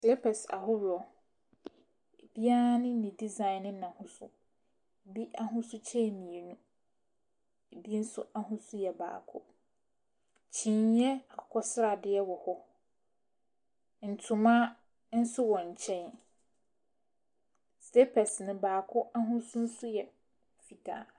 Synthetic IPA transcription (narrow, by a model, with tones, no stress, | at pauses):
sle˦pʰɛ˨sa̰˨ɦʊ˦ɾɔ˨ | e˨b̥i˦a˦nɪ̃˦nɪ̃˨di˦zã˨ɪ̃˨nɪ̃˦nã˨hʊ̃˦sʊ̰˦ | e˨bi˦ʔa˦ɦʊ̃˦sʊ˦t͡ɕʰɛ̃˦˨mĩ˨e˨nũ˦ | e˨bi˦n̩˦sʊ̰˦ʔa˦ɦʊ̃˦sʊ˦jɛ˨ba̰ː˨kʰʊ̰˦ | t͡ɕʰĩ˨ɲjɛ˦a˨kʰɔ˦sɾa˨dɪ˨ɛ˦wɔ˨hɔ˦ | n̩˨tʰʊ˨mã˦ | n̩˦sʊ˦wɔ̃˨ɲ˨t͡ɕʰɛ̃˦n˦ | ste˦pʰɛ˨snɪ̃˨baː˨kʰʊ˦ʔa˦ɦʊ̃˦sʊ̃˦n̩˦sʊ˦jɛ˨ | fi˨tʰa̰ː˨